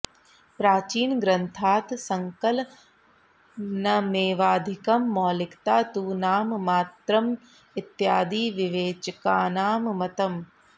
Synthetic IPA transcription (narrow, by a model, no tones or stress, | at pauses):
pɾaːt͡ʃiːnɡɾɐnt̪ʰaːt̪sɐŋkɐl | nɐmeːʋaːd̪ʱikɐmːɔːlɪkt̪aːt̪uːnaːmmaːt̪ɾɐm | ɪt̪jaːd̪iːʋiʋeːt͡ʃɐkaːnaːmmɐt̪ɐm